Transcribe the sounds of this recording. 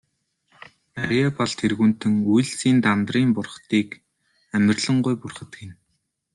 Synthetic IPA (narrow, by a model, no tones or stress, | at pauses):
aɾiapɔɮt̪ʰerɣuːn̥t̪ɘ̆ŋujɮt͡siːnt̪ant̪riːmpʊrχt̪iːk | æmʲɪ̆rɮə̆ɴɢʊjpʊrχə̆t̪ɡen